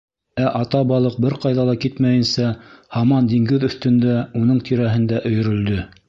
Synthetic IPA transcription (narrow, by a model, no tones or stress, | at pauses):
æʔɑt̪ɑbɑlˠɤq̚bɘɾqɑjðɑlˠɑkit̪mæjɘ̆nsæhɑmɑnd̪iŋɡɘðɵ̆θt̪ɵ̆nd̪æun̪ɤɴt̪ʰiɾæɦɘ̆nd̪æʔɵ̆jɵ̆ɾɵ̆ld̪ɵ